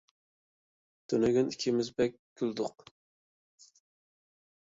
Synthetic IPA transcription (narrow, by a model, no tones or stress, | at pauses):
t̪ʰønɛɡʲynikʲʰɪmɪzbɛk̚ʲɡʲyld̪ʊq